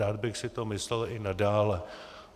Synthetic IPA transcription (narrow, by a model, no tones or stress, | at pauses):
aːd̪̚bɪxsɪt̪omɪslɛlɪnadaːlɛ